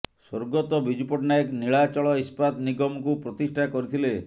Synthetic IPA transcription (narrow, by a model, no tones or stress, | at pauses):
soɾɡɔt̪ɔbid͡ʒupɔʈnaekniɭat͡ʃɔɭɔispat̪niɡɔmɔkupɾɔt̪isʈʰakɔɾit̪ʰile